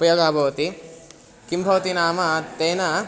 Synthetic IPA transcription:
pɐjɐɡaːbʱɐʋɐt̪i | kimbʱɐʋɐt̪inaːmat̪eːnɐ

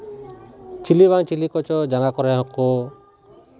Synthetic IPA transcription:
t͡ʃiliβaŋt͡ʃilikɔt͡ʃɔd͡ʒaŋakɔɾɛɦɔkɔ

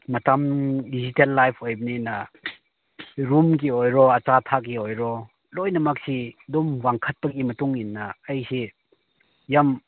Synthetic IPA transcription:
mɐtamdizitelːajpʰojbninɐ | ɾumk̬iojɾɔɐt͡ʃatʰak̬iojɾɔ | lojnɐmak̚sidɔmwaŋkʰɐt̚pɐk̚imɐtuŋinːɐːjsi | jam

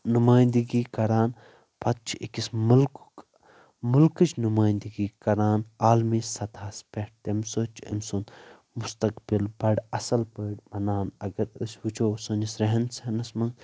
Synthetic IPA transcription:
numaːjnd̪iɡiːkɐɾaːn | pʰɐt̪̚t͡ʃʰiʔikismulk | mulkɨt͡ʃʰnumaːjnd̪iɡiːkɐɾaːnaːlmisɐt̪ʰaːspeʈ̚t̪emsoːt͡ʃʰɐ̰mson | must̪ɐkbilbɐɖɐsɐlpəːɖʲbɐnaːnɐɡɐɾɨsʲʋɨt͡ʃʰoːsɐnisɾɐɦɐnsɐɦnɐsmɐŋɡ

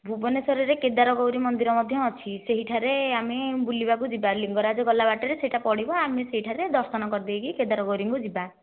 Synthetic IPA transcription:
bʱubɔnesɔɾɔɾeked̪aɾɔɡɔwɾimɔnd̪iɾɔmɔd̪ʱjɔɔt͡ʃʰiseɦiʈʰaɾeamebulibak̬ud͡ʒibaliŋɡɔɾad͡ʒɔɡɔlːabaʈɔɾeseɦiʈapɔɽibɔameseɦiʈʰaɾed̪ɔɾsɔnɔkɔɾd̪ibekiked̪aɾɔɡɔwɾiŋkud͡ʒiba

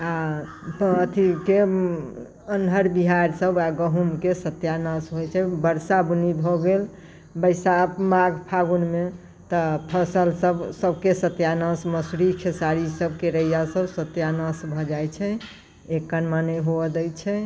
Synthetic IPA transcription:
a | ət̪ʰike | ənɦəɾbiɦaɾsəbaɡəɦumkesət̪janəsɦojt͡ʃʰɛbəɾsabunib̪ʱoɡel | bəɪsamaɡpʰaɡunme | t̪əpʰəsəlsəbsəbʱkesət̪janəsməsɾikʰesaɾisəb̚ʱkeɾəjasəbsət̪janəsbʱɔd͡ʒajt͡ʃʰɛ | ekːənmaneɦoəd̪əjt͡ʃʰɛ

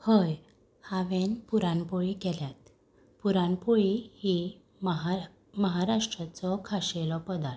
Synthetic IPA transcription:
həj | haʋenpuɾanpoɭikɛljat̪ | puɾanpoɭihi | məɦaɾaʂʈɾat͡sɔkʰaɕelɔpəd̪aɾ

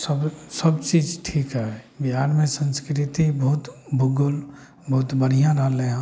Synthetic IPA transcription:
səbsəbt͡ʃiːd͡ʒʈʰiːkɦɛbɪɦaːɾmẽsə̃nskɾɪt̪ibɔɦʊt̪bʱʊɡʊl | bɔɦʊt̪bəɽ̤ijãɾəɦleɦã

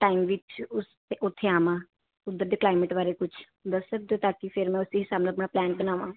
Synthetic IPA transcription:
ʈaːɪmʋɪt͡ʃʊst̪eʔʊt̪ʰːeːaːmãː | ʊd̪ːəɾd̪eːklaːɪməʈbaːɾeːkʊt͡ʃʰ | b̪əsːəd̪oːt̪aːkipʰɪɾmɛ̃ːʊsiːɦɪsaːbñːəpnaːplɛ̃ːɳʈbənaːʋãː

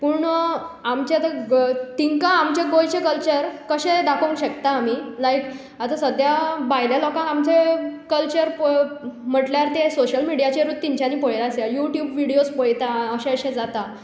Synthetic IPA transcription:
puɳamt͡ɕeat̪at̪iŋkãamt͡ɕeɡojt͡ɕekəlt͡ɕəɾkəɕẽd̪akʰəũŋkɕəkt̪aːmilajk | at̪asəd̪ʱjabajljalɔkãamt͡sekəlt͡ɕəɾpm̤əʈljaɾt̪esoɕəlmiɽijat͡ɕeɾut̪ːiɲt͡ɕanːipojlaseajuʈjubʋiɽijospojt̪aəɕẽəɕẽd͡zat̪a

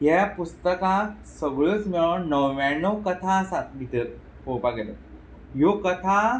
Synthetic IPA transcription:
ɦjapust̪əkã | səɡɭət͡smiɭanəwʋanɔkət̪ʰaːsat̪̚bʱit̪ət̪̚ | popaɡelə | jokət̪ʰa

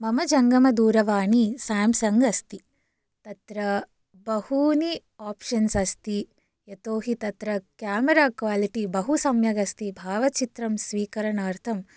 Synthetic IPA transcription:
mɐmɐd͡ʒɐŋɡɐmɐd̪uːɾɐʋaːɳisaːmsɐŋɡɐst̪i | t̪ɐt̪ɾɐ | bɐhuni | aːpʃɐnsɐst̪i | jɐt̪oːɦit̪ɐt̪ɾɐkjaːmɐɾaːkʋaːliʈibɐɦusɐmjɐɡɐst̪ibʱaːʋɐt͡ʃit̪ɾɐmsʋiːkɐɾɐɳaːɾt̪ʰɐm

